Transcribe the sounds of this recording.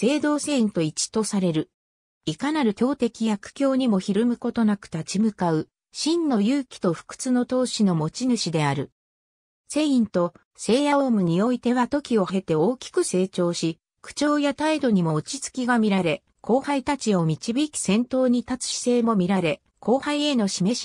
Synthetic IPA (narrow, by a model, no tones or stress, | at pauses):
se̞ːd̪o̞ːse̞ːĩnt̪o̞it͡ɕi̥t̪o̞saɾe̞ɾɯ̟ | ikanaɾɯ̟tʲo̞ːt̪e̞kʲijakɯ̟̥kʲo̞ːɲ̟imo̞çiɾɯmɯ̟ko̞t̪o̞nakɯ̟̥t̪at͡ɕimɯ̟kaɯ̟ | ɕĩnːo̞jɯːkʲi̥t̪o̞ɸɯ̟̥kɯ̟̥t͡sɨno̞t̪o̞ːɕino̞mo̞t͡ɕinɯ̟ɕid̪e̞aɾɯ̟ | se̞ːĩnt̪o̞ | se̞ːjaoːmɯ̟ɲ̟io̞it̪e̞βat̪o̞kʲio̞e̞t̪e̞o̞ːkʲi̥kɯ̟se̞ːt͡ɕo̞ːɕi | kɯ̟̥t͡ɕo̞ːjat̪aid̪o̞ɲ̟imo̞ːt͡ɕit͡sɨ̥kʲiɡamʲiɾaɾe̞ | kʰo̞ːhait̪at͡ɕio̞mʲit͡ɕibʲikʲi̥sẽ̞nt̪o̞ːɲ̟it̪at͡sɨ̥ɕi̥se̞ːmo̞mʲiɾaɾe̞ | ko̞ːhaie̞no̞ɕime̞ɕi̥